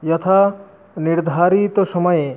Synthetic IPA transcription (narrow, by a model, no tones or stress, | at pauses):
jɔt̪ʰa | niɾd̪ʱaɾit̪osɔmɔje